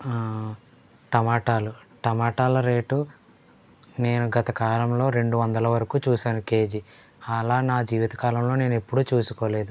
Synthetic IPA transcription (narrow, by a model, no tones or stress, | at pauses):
ʈɐmaːʈaːluʈɐmaːʈaːlɐɾe̞ːʈu | ne̞ːnuɡɐt̪ɐkaːlɐmlo̞ːɾe̞ɳɖuʋɐnd̪ɐlɐʋɐɾɐkuːt͡ʃuːsaːnɐke̞ːd͡ʒi | ɐlaːnaːd͡ʒiːʋit̪ɐ̥kaːlɐmlo̞ːne̞ːnuepːuɽuːt͡ʃuːsu̥koːle̞ːd̪u